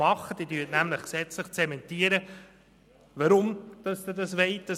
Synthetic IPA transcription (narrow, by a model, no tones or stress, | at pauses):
mɑχːəd̥idyːtnæmləχksɛt͡sləχt͡sɛmɛntiəɾə | ʋɑɾʊmd̪̥ɑst̪ədɑsʋɛɪt̚d̥ɑ